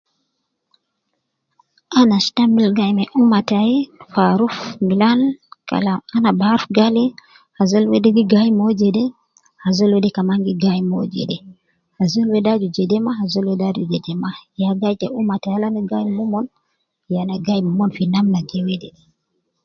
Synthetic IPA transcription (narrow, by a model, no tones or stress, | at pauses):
ʔanastambilɡajmɛʔumatajɛfaɾufmilanka̰laanabaɾfɡali | hazɔlwɛdɛɡiɡajmɔd͡ʒɛdɛ | hazɔlwɛdɛkamaŋɡiɡajmɔd͡ʒɛ̰dɛ | hazɔlwɛdad͡ʒud͡ʒɛdɛmahazɔlwɛdad͡ʒud͡ʒɛdɛmajaɡajtɛumataalaniɡajmumɔn | janaɡajmumɔnfinamnaɡɛwɛdɛdɛ